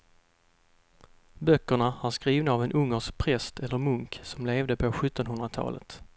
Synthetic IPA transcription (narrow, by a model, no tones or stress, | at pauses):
bœkːəɳaæɾskɾiːvnaavɛnʔɵŋːəʂk̚pʰɾɛst̪ɛlːəɾmɵŋksɔmleːvd̪əpʰɔɧɵt̪ːɔnɦɵnd̪ɾat̪ʰɑ̰ːlə̰t̪